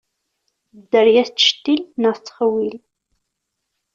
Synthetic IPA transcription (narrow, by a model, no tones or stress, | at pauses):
d̪əɾjæθt͡sːə̥ʃt̪ːilnət͡sːχəwil